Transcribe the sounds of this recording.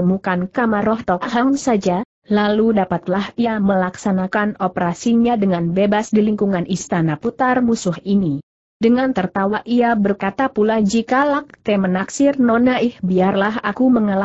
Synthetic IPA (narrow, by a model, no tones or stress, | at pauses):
əmukankamaɾɔht̪ɔkɦaŋsad͡ʒa | laludapat̪lahiaməlaksanakanopəɾasiɲadəŋanbebasdiliŋkuŋanist̪anaput̪armusʊhini | dəŋant̪ərt̪awaʔʔiabərkat̪apulad͡ʒikalak̚t̪ɛmənaksɪrnɔnaɪhbiarlaɦakuməŋala